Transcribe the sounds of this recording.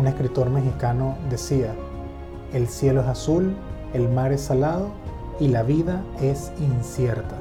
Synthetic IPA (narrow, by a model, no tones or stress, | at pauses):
une̞skɾit̪o̞ɾme̞xikano̞d̪e̞sia | e̞lsje̞loe̞sasul | e̞lmaɾe̞salaðo̞ | ilaβiðae̞s | insje̞ɾt̪a